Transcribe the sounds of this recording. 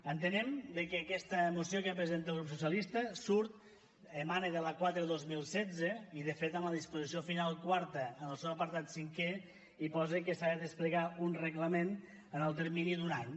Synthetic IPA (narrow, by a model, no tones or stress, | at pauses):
ənt̪ənɛmd̪əkəːkɛst̪əmusiokəpɾəzent̪əlˠɣɾupsusjəlist̪əsuɾt̪̚ | əmaneðələkwat̪ɾeðozmilˠsɛd͡zəiðəfet̪əmləðispuzis̬iofinalˠkwaɾt̪əːnəlˠsɛwəpəɾt̪at̪siŋkɛ | ipɔzekəsaðəðəspliɣaunrəɣləmen | ənəlˠt̪əɾminiðunaɲ